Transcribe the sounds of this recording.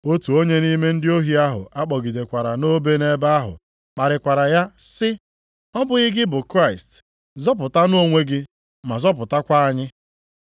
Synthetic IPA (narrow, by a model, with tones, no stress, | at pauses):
o˦tu˨o˦ɲe˦ni˦me˦n̩˦dɪ˦o˦ɦi˦a˦ɦʊ̰˨a˦k͡pɔ˨ɡi˨de˨kʷa˨ɾa˨no˦be˦ne˦ba˦a˦ɦʊ̰˨ | k͡pa˨ɾɪ˨kʷa˨ɾa˨ja˦sɪ˦ | ɔ˦bʊ˨ɣɪ˦ɡɪ˦bʊ˨kɾa˦ɪ˨st | zɔ˦p̬ʊ˨ta˦n˦o˦ŋʷe˦ɡɪ˦ | ma˨zɔ˦p̬ʊ˨ta˦kʷa˦a˦ɲɪ˦